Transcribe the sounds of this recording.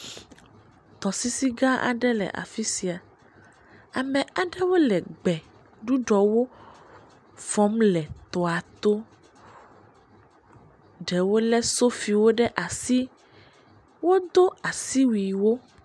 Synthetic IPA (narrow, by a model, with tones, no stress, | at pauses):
t̪ɔ˨si˦si˦ɡa˦ʔa̰˨ɖɛ˦lɛ̰˨ʔa̰˨fi˦si˨a˨ | a˨mɛ̃˨a˨ɖɛ˦wo˦lɛ˨ɡ͡bɛ˨ | ɖu˦ɖɔ˨wo˦ | fɔ˦mlɛ˨t̪ɔ˨a˨t̪o˦ | ɖɛ˨wo˦lɛ˦so˦fi˨wo˦ɖɛ˦ʔa˨si˦ | wo˦d̪o˦a˨si˦wi˨wo˦